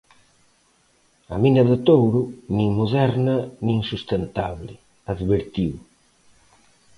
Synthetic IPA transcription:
ɐ̰minɐðɪt̪owɾʊnĩŋmoðɛɾnɐnĩŋsust̪ent̪aβlɪ | aðβeɾt̪iw

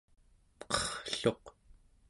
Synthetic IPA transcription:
pqʰʌ̥χɬo̞q

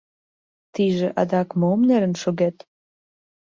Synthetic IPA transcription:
t̪iʒĕʔɑ̰d̪ɑkmomneɾə̆nʃoɡet̪

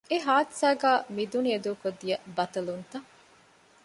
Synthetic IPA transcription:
eɦaːt̪sæːɡæːmid̪unied̪uːkod̪ijɐbɐt̪ɐlunt̪ɐ

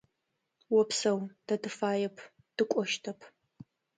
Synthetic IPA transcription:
wɔpsɐwd̥ɐdɨfaːjɛpʰ | d̥ɨkʷʼɔʃtʰɐpʰ

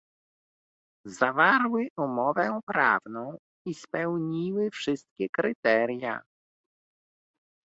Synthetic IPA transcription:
zavaɾwɘʔumɔvɛpɾa̰vnɔ̃w̃ | ispɛwɲiwɘfʂɘst̪̚kʲɛkɾɘt̪ɛɾja̰

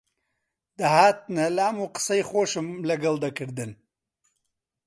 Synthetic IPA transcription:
d̪ɐhaːt̪̚nalaamuqə̥sɐjxoːʃɨmlɐɡɐld̪ɐkʰɨɾd̪ɨn

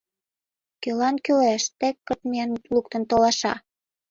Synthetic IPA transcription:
kølɑnkølæʃt̪ekːət̪miɑnlukt̪ə̆nt̪olɑʃɑ̰

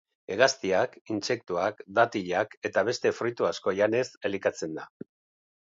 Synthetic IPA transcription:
e̞ɣast̪iakinse̞k̚t̪uakd̪at̪iʎake̞t̪aβ̞e̞st̪e̞fɾujt̪uasko̞ʎane̞se̞likat͡se̞nd̪a

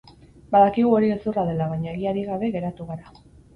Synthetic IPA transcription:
baðakiɣ̞uo̞ɾiesuraðe̞laβ̞aɲaeɣ̞iaɾiɣaβe̞ɣe̞ɾat̪uɣaɾa

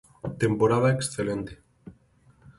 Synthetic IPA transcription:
t̪empoɾað̞aeksθelent̪e̥

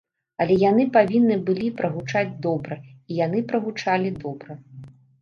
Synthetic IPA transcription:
ɐlʲɛjanɨpavʲinːɨbɨlʲipɾɐɣut͡ʂad͡zʲd̪ɔbɾɐijanɨpɾɐɣut͡ʂalʲid̪ɔbɾɐ

